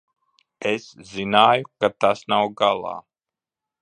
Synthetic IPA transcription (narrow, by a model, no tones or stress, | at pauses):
eszinaːjukat̪asnawɡalˠa̰ː